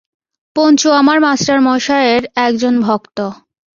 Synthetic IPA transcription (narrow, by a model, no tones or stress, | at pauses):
pont͡ɕuamaɾmasʈaɾmɔjʃaeɾɛk̚d͡ʑonbʱɔkt̪o